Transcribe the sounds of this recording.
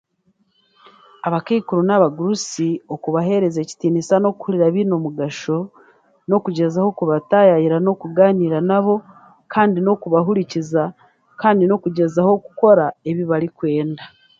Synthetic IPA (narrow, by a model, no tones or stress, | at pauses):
aβakeːkuɾonaβaɡuɾusio̞kuβaɦe̞ɾe̞ze̞ːci̥tiːnisano̞ku̥huɾiɾaβino̞muɡaʃo̞ | no̞kuɟe̞zaho̞kuβatajajiɾano̞kuɡaːniːɾanaβo̞ | kʰaːndino̞kuβaɦuɾiciza | kaːndino̞kuɟe̞zaho̞ku̥ko̞ɾae̞βiβaɾikwe̞ːnda